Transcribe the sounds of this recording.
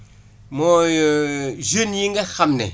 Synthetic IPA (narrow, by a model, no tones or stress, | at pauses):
mɔ | ʒenjiŋ̩ɡɛxamnɛ̰